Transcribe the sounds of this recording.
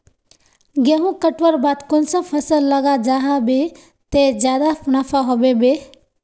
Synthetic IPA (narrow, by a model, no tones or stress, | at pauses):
ɡeɦũkəʈʋəɾbat̪konsə̃pʰəsəlːəɡad͡ʒaɦabe | t̪ed͡ʒjad̪apʰʊñapʰaɦobebe